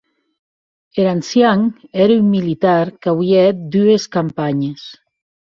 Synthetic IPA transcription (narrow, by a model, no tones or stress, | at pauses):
eɾansjaŋɛɾymmilit̪aɾkawjɛt̪̚d̪yeskampaɲes